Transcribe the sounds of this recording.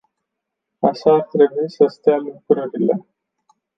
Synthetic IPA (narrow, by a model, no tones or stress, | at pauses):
a̰ʃaːrt̪ɾe̞buisəst̪ealukɾəɾile̞